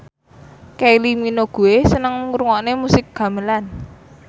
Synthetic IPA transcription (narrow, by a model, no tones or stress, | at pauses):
kɛliminoɡ̥o̤esənəŋŋuɾuŋɔnemusɪk̚ɡ̥a̤məlan